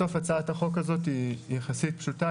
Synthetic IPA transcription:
o̞fat͡saataχo̞kazo̞tijeχasit̚pʃuta

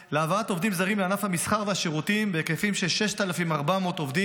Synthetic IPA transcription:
leavaato̞vd̪imzaʁimleanafhamisχaʁvehaʃeʁutimbeekefimʃeʃe̞ʃt̪alafimaʁbamo̞t̪o̞vd̪i

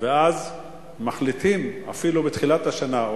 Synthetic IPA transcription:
veaz | maχlit̪ima̰filubet̪χilat̪haʃana

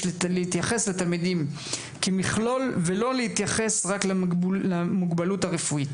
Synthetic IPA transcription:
leit̪jaχe̞sletalmidim | kemiχlo̞lvelo̞leit̪jaχe̞sʁaklamuɡbaluthaʁefuit

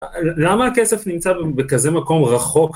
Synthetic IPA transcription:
lamaːkesefnimt͡sabbekaze̞mako̞mʁaχo̞k

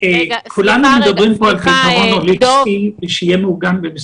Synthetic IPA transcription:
ekʰulanumed̪abʁimpo̞alt̪ikaʁo̞nolipsiʃejemeuɡanbemes

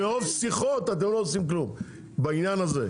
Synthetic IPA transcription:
eofsiχot̪at̪̬emloːsimklum | bainjanazḛ

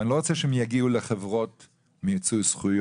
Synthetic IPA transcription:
niloʁot͡sɛʃɛhemjaɡiuleχevʁot | mit͡sujsχuj

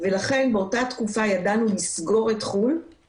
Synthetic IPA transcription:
ve̞laχe̞nbeotatkufajadanulisɡo̞ʁe̞tχul

